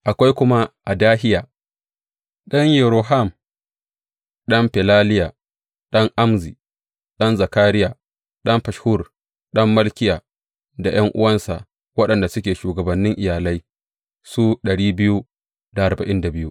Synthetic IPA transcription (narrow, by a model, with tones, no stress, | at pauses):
ʔa˨kʷa˦jkʷʊ˦ma˦ʔa˨daː˦hɪ˦jaː˨ | ɗɐ˦ŋjɛ˨ɾo˨ɦa˦˨m | ɗɐ˦mɸɛ˨laː˦lɪ˦ja˨ | ɗɐ˦ŋʔa˦mziː˨ | ɗɐ˦nza˨kaː˦ɾɪ˦jaː˨ | ɗɐ˦mɸɐ˨ʃhʊ˦r | ɗɐ˦mːɐ˦lkʲɪ˦jaː˨ | da˨j̰ɐ˦ŋʔʊ˦wɐ˦nsa˨ | wɐ˦ɗɐ˨nda˨sʊ˦kʲeː˨ʃuː˨ɡɐ˨bɐ˨nːɪ˦ŋʔɪ˨jaː˨lɐ˦j | su˦ɗɐ˨ɽiː˦bɪ˦ju˦ | da˨ʔa˨rbɐ˨ʔɪ˦nda˨bɪ˦ju˦